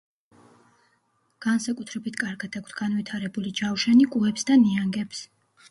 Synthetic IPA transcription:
ɡ̥ansakʼut̪ʰɾɛbit̪ʰkʼaɾɡad̪ʰakʰt̪ʰɡ̥anvit̪ʰaɾɛbulid͡ʒawʃɛnikʼuɛpsd̪aniaŋɡɛps

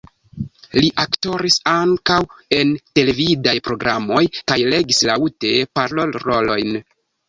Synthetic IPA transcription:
liʔakto̞ɾisaŋkawe̞nte̞le̞vidajpɾo̞ɡɾamo̞jkajle̞ɡislautepaɾlo̞lɾo̞lo̞̰jn

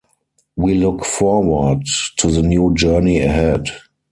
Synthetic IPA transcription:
wilʊkfɔwə˞dtʰːuðənjuːd͡ʒɜ˞niəɦɛd

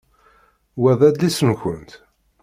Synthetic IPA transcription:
wæðˤæd̪lisənçənt̪

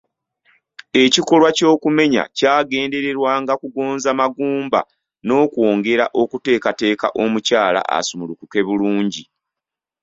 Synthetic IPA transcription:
e̞ciko̞lwaco̞ːkume̞ɲa̰caːɡe̞ːnde̞ɾe̞ɾwaːŋɡakuɡo̞ːnzamaɡuːmba̰ | no̞ːkwo̞ːŋɡe̞ɾaʔo̞kute̞ːkate̞ːkaʔo̞mucaːla̰ʔa̰sumulukuke̞βuluːɲɟi

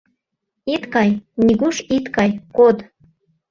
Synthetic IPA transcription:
it̪kɑjnʲiɣuʃit̪kɑjkod̪

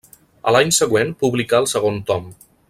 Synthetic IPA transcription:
ə̰laɲsəɣwenpuβlikaəlˠsəɣ̞ont̪ɔm

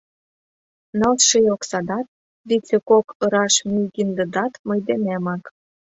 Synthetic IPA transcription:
nɑlt̪ʃəjoksɑd̪ɑt̪̚ | βit͡sʲekokɤ̆ɾɑʃmyjɣind̪ə̆d̪ɑt̪məjd̪enemɑk

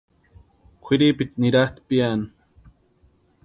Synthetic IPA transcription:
kʷʰiɾipit̪niɾaht̪pian

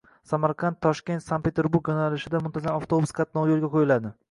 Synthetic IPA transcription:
samaɾqʰant̪ʰːɒʃkʲe̞nt̪sanpʰe̞t̪ʰe̞ɾbuɾkʲjɒnalɪʃɪd̪amʊnt̪ʰazamaft̪ʰobuskʰɑt̪̚nɒwjolˠɡʲaqʰojɪlad̪ɪ

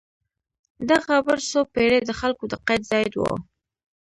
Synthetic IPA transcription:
d̪axabəɾsopeɽed̪əxalkod̪əqajt̪zɑjd̪wo̰

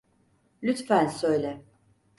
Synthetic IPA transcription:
lʲyt̪fænsøjlʲɛ

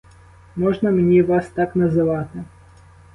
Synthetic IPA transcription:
mɔʒnɐmenʲiʋɑst̪ɑknɐzɪʋɑt̪ɪ

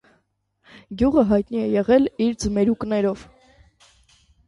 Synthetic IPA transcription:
ɡjuʁəɦɑjt̪niɛjɛʁɛliɾd͡zəmɛɾuknɛɾɔv̥

